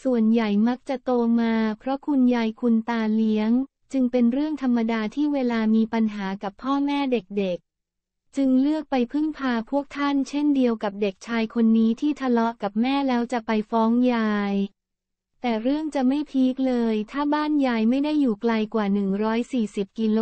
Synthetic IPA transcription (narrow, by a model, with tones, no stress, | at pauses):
su˨˩ənja˨˩jma˦˥k̚t͡ɕa˨˩ʔt̪oː˧maː˧pʰɾɔ˦˥kʰu˧njaː˧jkʰu˧nt̪aː˧li˦˥əŋ | t͡ɕɯ˧ŋpe˧nɾɯ˥˩əŋt̪ʰa˧mːa˧daː˧t̪ʰiː˥˩weː˧laː˧miː˧pa˧nɦaː˩˦ka˨˩pʰːɔː˥˩mɛː˥˩de˨˩k̚de˨˩k̚ | t͡ɕɯ˧ŋlɯ˥˩ək̚pa˧jpʰɯ˥˩ŋpʰaː˧pʰu˥˩ək̚t̪ʰa˥˩nt͡ɕʰe˥˩ndi˧əwka˨˩p̚de˨˩k̚t͡ɕʰaː˧jkʰo˧nːiː˦˥t̪ʰiː˥˩t̪ʰa˧lɔ˦˥ʔka˨˩p̚mɛː˥˩lɛː˦˥wt͡ɕa˨˩pa˧jfɔː˦˥ŋjaː˧j | t̪ɛː˨˩ɾɯ˥˩əŋt͡ɕa˨˩ʔma˥˩jpʰiː˦˥k̚lɤː˧jt̪ʰaː˥˩baː˥˩njaː˧jma˥˩jda˥˩jːuː˨˩kla˧jkwaː˨˩nɯ˨˩ŋɾɔː˦˥jsiː˨˩si˨˩p̚ki˧lo˧